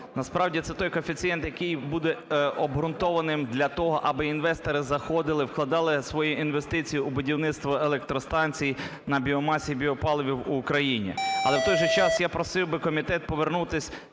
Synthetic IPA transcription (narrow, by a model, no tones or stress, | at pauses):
nɐspɾɑwdʲit̪sɛt̪ɔjkɔfʲit͡sʲijɛnt̪jɐkɪjbud̪ɛɔbɦɾʊnt̪ɔʋɐnɪmd̪lʲɐt̪ɔɦɔʔɐbɪinʋɛst̪ɔɾɪzɐxɔd̪ɪlˠɪwklˠɐd̪ɑlˠɪsʋɔjuʔinʋest̪ɪt͡sʲijʊːbʊdʲiwnɪt̪st̪ʋɔelˠɛk̚t̪ɾɔst̪ɑnʲt͡sʲijinɐbʲiɔmɑsʲibʲiɔpɑlˠɔʋʲiwuːkɾɐjinʲḭɐlˠɛwt̪ɔjʒɛt͡ʃɑsjapɾɔsɪwbɪkɔmʲit̪ɛt̪̚pɔʋernut̪ɪsʲ